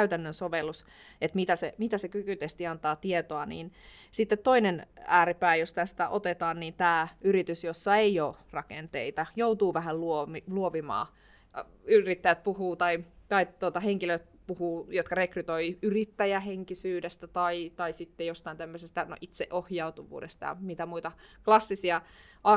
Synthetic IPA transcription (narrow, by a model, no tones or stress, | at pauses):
æyt̪ænːønsoʋelːus | et̪mit̪æsemit̪æsekykyt̪est̪iɑnt̪ɑːt̪iet̪oɑnḭːnsit̪ːet̪toinenæːripæːjost̪æst̪æ̰ʔot̪et̪ɑːnniːnt̪æːyrit̪ysjosːɑeioːrɑkent̪eit̪ɑjout̪uːʋæhælluomiluoʋimɑ̰ː | yrit̪ːæjæt̪̚puhuːt̪ɑit̪ɑit̪ːuot̪ɑheŋkiløit̪̚puhuːjot̪kɑrekryt̪oiyrit̪ːæjæɦeŋkisyːdest̪æt̪ɑit̪ɑisit̪ːejost̪ɑint̪æmːøsest̪æno̰ʔit̪seʔohjɑut̪uʋṵːdḛst̪ɑ̰jɑ̰mit̪æmuit̪ɑklɑsːisiɑ | ʔɑ